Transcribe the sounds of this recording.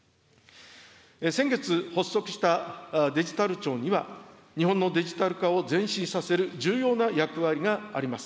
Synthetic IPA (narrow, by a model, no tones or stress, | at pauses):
esẽ̞ŋɡe̞t͡sɨho̞sːo̞kɯ̟̥ɕi̥t̪ad̪e̞ʑi̥t̪aɾɯ̟t͡ɕo̞ːɲ̟iβa | ɲ̟iɦõnːo̞d̪e̞ʑit̪aɾɯ̟kao̞d͡zẽ̞ɰ̃ɕĩsase̞ɾɯ̟d͡ʑɨːjo̞ːnajakɯ̟βaɾʲiɡaːɾʲimasɨ̥